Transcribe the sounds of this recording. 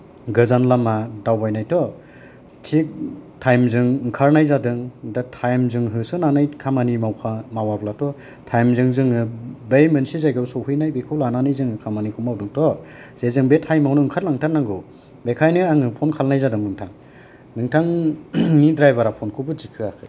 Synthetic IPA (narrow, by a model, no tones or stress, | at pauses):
ɡɯzanlamadawbajnajtʰɔ | tʰik̚tʰajmzɯŋŋkʰaɾnajzadɯŋdatʰajmzɯŋɦɯsɯnanajkʰamanimawkʰamawablatʰɔ | tʰajmzɯŋzɯŋɯbejmɯnsizajɡɯwsɔwhɯjnajbekʰɯwlananɯjzɯŋɯkʰamanikʰumawdɯŋtʰɔz̥ezɯŋbetʰajmawnɯŋkʰaɾlaŋtʰanːaŋɡɯ | bekʰajnɯaŋɯpʰɔnkʰalnajzadɯŋɯŋtʰaŋ | nɯŋtʰaŋnidɾajbaɾapʰɔnkʰɯbɯzikʰɯakʰɯj